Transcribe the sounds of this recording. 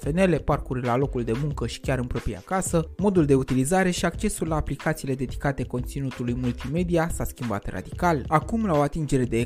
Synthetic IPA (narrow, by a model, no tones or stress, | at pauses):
fe̞ne̞le̞parkurʲlalo̞kuld̪e̞muŋkəʃi̥kʲaɾɨnpɾo̞pɾija̰kasəmo̞d̪uld̪e̞ut̪ilizaɾe̞ʃiakt͡ʃe̞sulːaːplikat̪siːle̞d̪e̞d̪ikat̪e̞ko̞nt̪sinut̪ulujmult̪ime̞d̪iasaskʲimba̰t̪ra̰d̪ikalakumlao̞at̪ind͡ʒe̞ɾe̞d̪e̞